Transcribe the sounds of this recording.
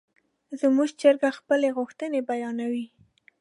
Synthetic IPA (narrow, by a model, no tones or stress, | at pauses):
zəmuʒt͡ʃaɾɡaxpəleɣʊxt̪ənebajɑnawi